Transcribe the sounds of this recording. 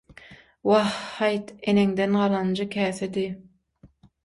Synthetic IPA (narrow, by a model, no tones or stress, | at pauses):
wɑhːɑjt̪eneŋd̪enɢɑlˠɑnd͡ʒɯkʲʰæːθed̪i